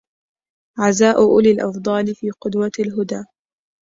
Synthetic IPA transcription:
ʕazaːʔʊʔʊlɪlʔɑfd̪ˤɑːlɪfiːqʊd̪walɦʊd̪aː

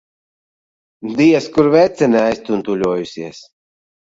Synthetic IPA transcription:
d̪iɛskuɾvɛt̪sɛnʲɛajst̪unt̪ulʲuɔjusiɛs

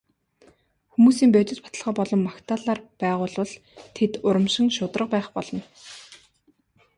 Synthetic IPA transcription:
xumuːsiːmpœːt͡ɕ̪ɪ̆t͡ɕ̪pḁt̪ə̆ɮʁɔːpɔɮɞ̆mːakt̪ʰaːɮaːrpæːʁʊːɮʊ̆ɮ | t̪ʰet̪ʊɾə̆mʃɪ̆ŋʃʊt̪rə̆q̚pæːχpɔɮɞ̆n

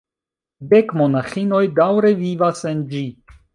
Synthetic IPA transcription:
de̞kmo̞naxino̞jdawɾe̞vivase̞nd͡ʒi

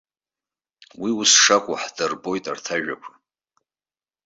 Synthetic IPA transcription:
wiʊsʂakʷʼʊ̰ħdɨrbo̞jtʼartʰaʒᶣa̰kʷʰ

